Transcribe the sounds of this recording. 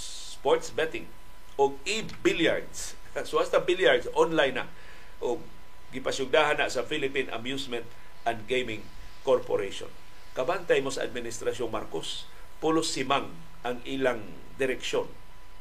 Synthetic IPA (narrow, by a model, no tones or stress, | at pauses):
s | poɹt̪sbɛt̪ɪŋ | ʔʊɡ̚i | biljaɹd̪s | soʔast̪abiljaɹd̪sʔonlajna̰ʔ | ʔʊɡ̚ː | ɪpasjʊɡ̚d̪aːɦanaʔsɐfilɪpina̰mjusmɛnt̪ | ʔand̪ɡejmɪŋ | koɾpoɾeʃo̰n | kɐbant̪ajmosɐʔa̰d̪̚mɪnɪst̪ɾasjoŋma̰ɾkos | pʊlʊsimaŋ | ʔaŋiːlaŋ | d̪ɪɾɛkʃon